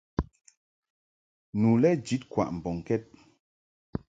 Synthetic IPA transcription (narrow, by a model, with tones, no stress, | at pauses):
nu˨lɛ˦d͡ʒi˨˦t̚kwa̰˨ʔm̩˨bɔ˨ŋ˨kɛ˦t̚